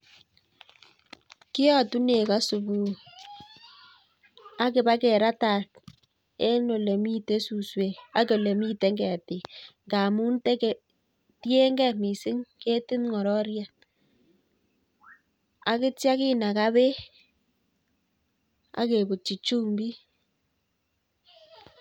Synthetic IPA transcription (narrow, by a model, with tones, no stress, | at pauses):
kɪ˦jɔ˦˨tu˦ne˨ka˦su˨βu˨ | a˦kɪ˨ba˦kɛ˨ɾa˦ta˨k | e˦no˨le˨mi˦te˦su˨swe˨a˦ke˨le˨mi˦te˨˦ŋɡɛ˨a˨ti˨ŋɡa˨mu˦nte˦ke˨ | ti˦e˦ŋɡɛ˦˨mi˨sɪ˦ŋke˦tɪ˦nŋɔ˨ɾɔ˦ɾja˨ | a̰˦kɪ˦tja˦kɪ˦na˨ka˦βe˦ | a̰˦ke˨bu˨t͡ʃi˨t͡ʃu˦mbi˦